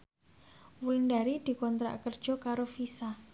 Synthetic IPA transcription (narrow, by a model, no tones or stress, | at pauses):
wulinɖaɾid̪̥i̤kɔnt̪ɾa̰ʔkərd̥ʒ̥ɔ̤kaɾofisa